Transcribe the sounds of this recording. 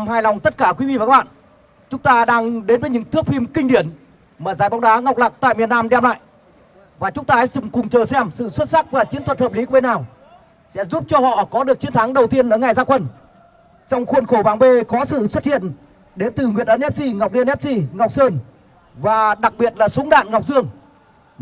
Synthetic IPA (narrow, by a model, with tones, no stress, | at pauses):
mhaː˧˩jlɔ˨˩wŋ͡mt̪ə˦˥t̚kaː˧˩kwi˨˦vḭ˧˨vaː˨˩k̚ːɓa̰ː˧˨ | t͡ɕʊ˨˦ŋ͡mt̪aː˧ɗaː˧ŋɗe˨˦nvə˨˦ɲɨ̰˧˥ŋt̪ʰɨ˦˥əp̚fi˧mkï˧ŋ̟ɗi˧˩ən | maː˨˩zaː˨˩jɓwŋ͡mɗaː˨˦ŋa˨˩wk͡p̚la˨˩k̚t̪a̰ː˧˨jmi˨˩ənaː˧mɗɛ˧mla̰ː˧˨j | vaː˨˩t͡ɕʊ˨˦ŋ͡mt̪aː˧˦t͡ɕʊ˧˩ŋ͡mkʊ˨˩ŋ͡mt͡ɕəː˨˩sɛ˧msɨ̰˧˨swə˦˥t̚sa˦˥k̚vaː˨˩t͡ɕi˨˦ənt̪ʰwə˨˩t̚həː˨˩p̚li˨˦kːɓe˧naː˨˩w | sɛ̰˧˥zu˦˥p̚t͡ɕɔ˧hɔ̰˧˨kɔ˨˦ɗɨ˨˩ək̚t͡ɕi˨˦ənt̪ʰa˨˦ŋɗə˨˩wt̪i˧ənʔəː˧˩ŋa˨˩jzaː˧kə˧˩n | t͡ɕɔ˧wŋ͡mxu˧nxo˧˩ɓaː˨˩ŋve˧kɔ˨˦sɨ̰˧˨swə˦˥t̚hḭ˧˨ən | ɗe˨˦nt̪ɨ˨˩ŋwi˨˩ənʔə˧nʔɛ˦˥p̚si˧ŋa˨˩wk͡p̚li˧ənʔɛ˦˥p̚si˧ŋa˨˩wk͡p̚səː˧n | vaː˨˩ɗa˨˩k̚ɓi˨˩ət̚laː˨˩sʊ˨˦ŋ͡mɗa̰ː˧˨nŋa˨˩k͡p̚zɨ˧əŋ